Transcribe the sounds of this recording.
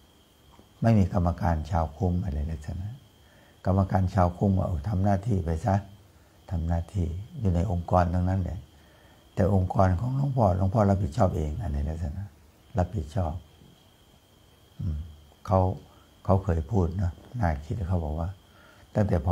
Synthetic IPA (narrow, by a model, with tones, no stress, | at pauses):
ma˧˥˨nmiː˧ka˧mːa˧kaː˧nt͡ɕʰaː˧wkʰu˧˥˩mːa˧˩la˧˨laː˧˦k̚sa˧˩na˧˥˩ | ka˧mːa˧kaː˧nt͡ɕʰaː˧wkʰu˧˩˨mka̰˧˩ʔo˧˩t̪ʰa˧mnaː˧˩˨t̪ʰiː˧˩˨pa˧˩jsa˧˥˨ | t̪ʰa˧mnaː˧˩˨t̪ʰiː˧˩juː˧na˧jʔo˧ŋkɔː˧nd̪o˧ŋna˧˥˨nla̰˧˩˦ | t̪ɛː˨˩ʔo˧ŋkɔː˧nkʰɔː˨˦lo˧˥˨ŋpʰɔː˧˨lo˧˨ŋpʰɔː˧˥˨la˧˥p̚ʰi˨˩t͡ɕʰɔː˥˩p̚ʔeː˨ŋʔa˨˧˨nda˧˨laː˧˦sa˧˩na˧˥˩ | la˧˥pʰːi˨˩t̪̚t͡ɕʰɔː˥˩p̚ | ʔɯː˧˩m | kʰa˧˥˩w | kʰa˧˩wkʰɤː˧jpʰuː˥˩t̪̚nɔ˦˧˥naː˧˩kʰi˦t̪̚a˧˩kʰa˧˥˩wbɔː˨˩k̚waː˧˨ | t̪a˧˩ŋt̪ɛː˨˩pʰɔ˧